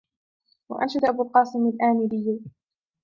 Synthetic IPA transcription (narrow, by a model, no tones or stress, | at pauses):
wa̰ʔa̰nʃad̪ʔabuːlqɑːsˤɪmalʔaːmɪbɪjːa